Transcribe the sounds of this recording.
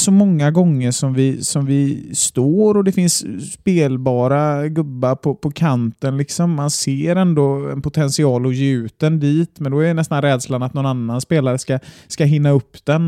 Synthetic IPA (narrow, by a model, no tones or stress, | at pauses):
sɔmɔŋːaɡɔŋːəɾʂɔmvɪsɔmvɪst̪oːɾɔd̪ɛfɪnsːpeːlbɑːɾaɡɵbːaɾpʰɔpʰɔkʰant̪ənlɪksɔmːanseːɾɛnd̪oɛ̰npʊt̪ʰɛnsɪɑːlɔjeːʉ̟ːt̪̚d̪ɛnd̪iːt̪mɛnd̪ɔɛɾɛnɛst̪anɾɛːd̪slanat̪nɔnanːanspeːlaɾəskaskaɦɪnːaɵpːd̪̥ɛn